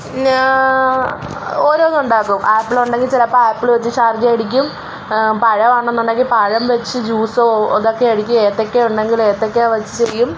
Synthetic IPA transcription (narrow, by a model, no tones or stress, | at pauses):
oːɾo̞ːnuɳɖaːkːumaːpːiɭuɳɖe̞ŋɡilt͡ɕilɐpːoaːpːiɭʋɐt͡ɕːɨɕard͡ʑɐɐɽikʲːum | pɐɻɐaːɳnːuɳɖe̞ŋɡilpɐɻɐmʋet͡ɕːɨd͡ʑuːsoːðo̞kːe̞ɐɽikʲːueːt̪ːokːeuɳɖe̞ŋɡileːt̪ːokːeaʋɐt͡ɕːɨ̥t͡ɕe̞jːum